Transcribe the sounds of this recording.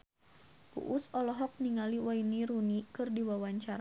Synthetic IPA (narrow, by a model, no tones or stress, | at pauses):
pṵʔusɔlɔɦɔk̚niŋaliwainiɾunikɨrdiwawaɲt͡ʃaɾa